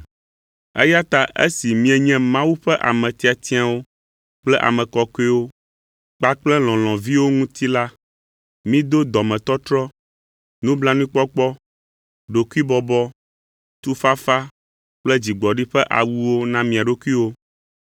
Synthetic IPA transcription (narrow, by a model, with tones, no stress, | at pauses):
ɛ̰˦ja˦t̪a˦ʔḛ˦si˨mĩ˦ɛ˨ɲɛ̃˦mã˦wu˦ɸɛ˦ʔa˨mɛ̃˨t̪i˦a˨t̪i˦a˨wo˦ | k͡plɛ˦ʔa̰˨mɛ̃˨kɔ˨ke˦wo˦ | k͡pa˦k͡plɛ˦l̃ɔ̃˨l̃ɔ̃˨vi˦wo˦ŋũ˦t̪i˦la˦ | mĩ˦d̪o˦d̪ɔ˨mɛ̃˨t̪ɔ˦t̪ɾɔ˦ | nũ˦bla˦nũ˦i˦k͡pɔ˦k͡pɔ˦ | ɖo˨ku˦i˦bɔ˨bɔ˦ | t̪u˦fa˦fa˦ | k͡plɛ˦d͡ʑi˨ɡ͡bɔ˨ɖi˦ɸɛ˦ʔa̰˨wu˦wo˦nã˦mĩ˨a˨ɖo˦ku˦i˦wo˦